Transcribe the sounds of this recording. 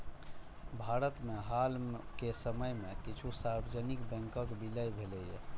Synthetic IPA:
bʱaɾət̪meɦalkesəməjmekit͡ʃʰusaɾbʱəd͡ʒənikbɛ̃ŋkəkbiləjbʱelɛje

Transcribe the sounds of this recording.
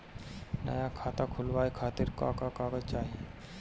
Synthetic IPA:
nə̰jakʰaːt̪akʰʊlʋaːekʰaːt̪ɪɾka̰kakaːɡəd͡ʒt͡ʃaːɦie

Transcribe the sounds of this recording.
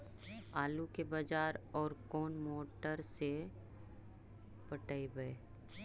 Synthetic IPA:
aːlukebɐd͡ʒaːɾɔːɾkoːnmoːʈəɾse | pɐʈəibəe

